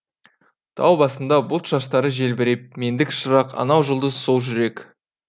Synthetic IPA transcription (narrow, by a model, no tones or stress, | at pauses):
t̪ʰɑ̰wbɑsənd̪ɑbʊlˠt̪ʒ̥ɑʃt̪ɑɾəʒe̞lbeɾe̞p̚me̞nd̪ɪkʃəɾɑqɑ̰nɑwʒəlˠd̪əzso̞lˠʒʏɾe̞k